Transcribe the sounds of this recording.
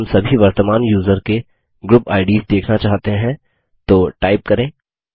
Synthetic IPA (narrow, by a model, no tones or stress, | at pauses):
msɐbʱiʋɐɾt̪əmaːnjuːzəɾke | ɡɾʊpaːɪɖiːzd̪eːkʰnat͡ʃaːɦt̪eɦɛ̃ | t̪oːʈaːɪp̚kɐɾẽː